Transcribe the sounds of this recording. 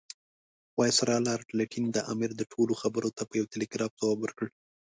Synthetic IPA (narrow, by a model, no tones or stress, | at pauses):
wɑjsaɾɑlɑɾpleʈʰind̪əʔɑmɪɾd̪əʈʰoloxabəɾot̪apəjawt̪ɪleɡɾɑft̪awɑbəɾkəɽ